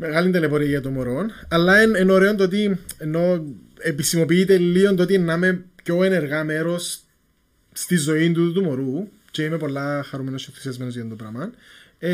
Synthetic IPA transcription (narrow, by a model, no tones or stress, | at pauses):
meɣɐlint̪elepoɾiɐʝɐt̪omoɾonɐlːɐenenoɾe̞ont̪oot̪̬ienːo̞ | episimo̞piit̪e̞llio̞nt̪ot̪ienːɐme̞pco̞e̞ne̞ɾɣɐme̞ɾo̞sː | t̪izo̞int̪ut̪ut̪umo̞ɾu | ce̞ime̞po̞lːɐxɐɾumenocekɾisiɐzmenozʝɐt̪ond̪opɾɐmɐn